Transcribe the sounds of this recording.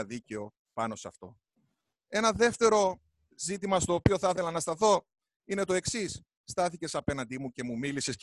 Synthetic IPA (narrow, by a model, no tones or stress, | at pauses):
ɐðice̞o̞ | pɐno̞sɐ̰ft̪o̞ | e̞nɐðe̞ft̪e̞ɾo̞ | zit̪imɐst̪o̞ːpio̞θɐθe̞lɐnɐst̪ɐθo̞ | ine̞t̪o̞e̞ksisː | t̪ɐθice̞sɐpe̞nɐnd̪imuce̞mumilise̞s